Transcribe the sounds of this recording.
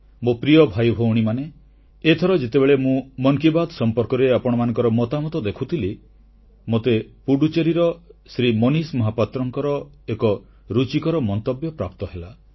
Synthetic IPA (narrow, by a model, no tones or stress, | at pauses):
mopɾijɔbʱajbʱowɽ̃imaneː | t̪ʰɔɾɔd͡ʒet̪ebeɭemũmɔŋkibad̪sɔmpɔɾkɔɾeapɔɽ̃ɔmanɔ̃ŋkɔɾɔmɔt̪amɔt̪ɔd̪ekʰut̪ʰili | mot̪epuɽut͡ʃeɾiɾɔsɾimɔnismɔɦapat̪ɾɔŋkɔɾɔ | ekɔ | ɾut͡ʃikɔɾɔmɔnt̪ɔbjɔpɾa̰p̚t̪ɔɦela